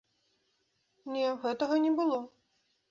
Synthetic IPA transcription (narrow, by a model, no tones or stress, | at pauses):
nʲɛɣɛt̪ɐɣɐnʲɛbɨlˠɔ